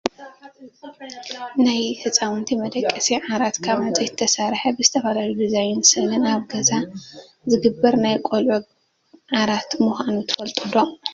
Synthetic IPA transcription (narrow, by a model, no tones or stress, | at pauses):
najhɨt͡sʼawɨnt̪ʰimɐd̪ɐkʼːɐsiʕaɾat̪kʰaβʕazʼɐjt̪ʰːɐsaɾħɐbɨzɨt̪ʰɐfalalud̪izajɪnsɨnɨnaβɡɐza | zɨɡɨbːɐɾnajkʼolʕu | ʕaɾat̪muxʷanut̪ʰɨ̥fɐlt̪ʼɨlːo